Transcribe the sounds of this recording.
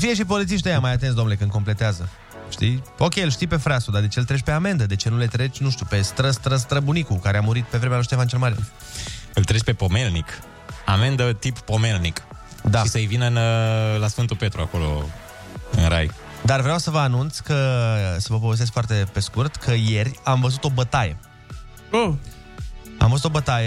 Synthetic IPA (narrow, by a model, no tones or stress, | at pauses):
fije̞ʃ̬ip̬o̞lit̪siʃt̪ejamajat̪ens̬d̪o̞mnelekɨnko̞mple̞t̪eazə | ʃt̪io̞kʲejlʃt̪ijpe̞fɾasud̪ad̪e̞t͡ʃelt̪ɾe̞t͡ʃʲpe̞ame̞nd̪əd̪e̞t͡ʃe̞nule̞t̪ɾe̞t͡ʃʲnũʃt̪jupe̞st̪ɾəst̪ɾəs̬t̪ɾəbunikukaɾeamuɾit̪̚pe̞vɾe̞mealoʃt̪jeavant͡ʃelmaɾi | ɨlt̪ɾe̞t͡ʃpe̞po̞me̞lnik | ame̞nd̪ət̪ipːo̞me̞lnik | d̪aʃisəɨjvinənlasfɨnt̪upe̞t̪ɾuako̞lo̞̰ | ɨnɾa̰j | d̪arvɾeawsəvəanunt̪sʲkəsəvəfoves̬es̬kfoart̪e̞pe̞skurt̪kʰəje̞rʲamvəzut̪o̞bət̪ajḛ | o | a̰mvəzut̪o̞bət̪aje